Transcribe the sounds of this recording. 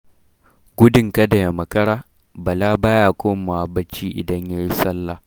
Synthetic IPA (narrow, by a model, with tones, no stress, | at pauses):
ɡʷʊ˦dɪ˨ŋkɐ˦da˨ja˨mɐ˨kɐ˦ɽaː˦ | bɐ˨laː˦baː˦jaː˨kʷoː˦ma˨a˨bɐ˦t͡ʃːiː˦ʔɪ̰˨dɐ˦ɲja˦jɪ˦sɐ˦lːaː˨